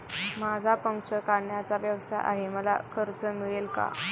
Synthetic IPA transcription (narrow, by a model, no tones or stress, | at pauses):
mad͡zʱapəŋkʂəkaɳjat͡saʋjəʋsajʔa̰ɦeməla̰kʰəɾt͡səmiɭelka̰